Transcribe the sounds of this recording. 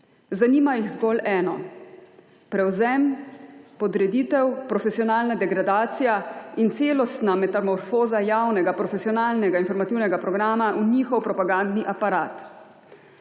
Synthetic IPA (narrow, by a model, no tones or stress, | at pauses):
zaniːmajiɣzɡɔlɛːnɔ | pɾɛwzɛmpɔd̪ɾɛd̪iːt̪ɛwpɾɔfɛsijɔnaːlnad̪ɛɡɾad̪aːt̪sijaint̪seːlɔst̪namɛt̪amɔɾfoːzajawnɛɡapɾɔfɛsijɔnaːlnɛɡainfɔɾmat̪iwnɛɡapɾɔɡɾaːmaʔuniːxɔwpɾɔpaɡand̪niʔapaɾaːt̪